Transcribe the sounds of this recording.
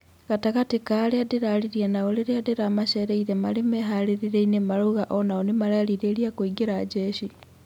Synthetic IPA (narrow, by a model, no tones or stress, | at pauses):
ɣataɣatekaɾeadeɾaliɾienaoleɾeadeɾamaʃeɾeiɾemalemeɦaɾeɾiɾeinemaɾuɣaʔɔnaɔnemaɾaliɾeːɾiakoiɡeɾad͡ʒeʃi